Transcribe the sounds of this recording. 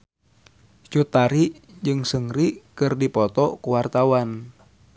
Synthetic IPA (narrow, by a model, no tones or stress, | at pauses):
t͡ʃut̪aɾiʔd͡ʒɨŋsəŋɾikɨrdipɔt̪ɔkuwart̪awan